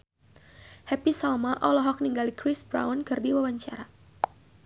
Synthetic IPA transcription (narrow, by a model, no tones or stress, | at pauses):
hɛpisalmaʔɔlɔɦɔk̚niŋɡalikɾɪsbɾa̰wnkɨrdiwawaɲt͡ʃaɾa